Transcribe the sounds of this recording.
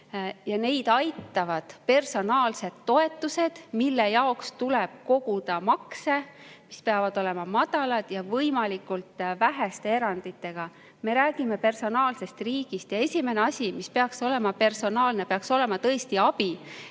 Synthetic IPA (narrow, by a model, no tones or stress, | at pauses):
jɑne̞jd̪̥ɑjt̪ˑːɑvɑd̪̥pe̞rso̞nɑːlse̞d̪̥ːo̞e̞t̪ːuse̞d̪̥milːe̞jɑokst̪uleb̥̚ko̞ɡ̥ud̪̥ɑmɑkse̞mispe̞ɑvɑd̪̥o̞le̞mɑmɑd̪̥ɑlɑd̪̥jɑvɤjmɑlikult̪ˑvæɦest̪ee̞ɾɑnd̪̥it̪ːˑe̞ɡ̥ɑ | me̞ɾæːɡ̥ime̞pe̞rso̞nɑːlse̞st̪riːɡ̥ist̪jɑe̞sʲime̞neɑsʲimispe̞ɑkso̞le̞mɑpe̞rso̞nɑːlne̞peɑkso̞le̞mɑt̪ɤest̪iɑb̥i